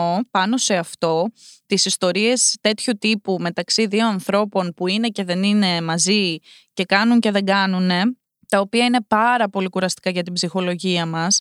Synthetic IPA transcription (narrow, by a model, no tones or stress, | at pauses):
opɐno̞se̞ɐft̪o̞t̪isist̪o̞ɾie̞st̪e̞t̪çut̪ipume̞t̪ɐksiðio̞ɐnθɾo̞po̞npuine̞ce̞ðe̞nine̞mɐzice̞kɐnuɲce̞ðe̞ɡɐnune̞ | t̪ɐopiɐine̞pɐɾɐpo̞likuɾɐst̪i̥kɐʝɐt̪ibzixo̞lo̞ʝiɐmɐs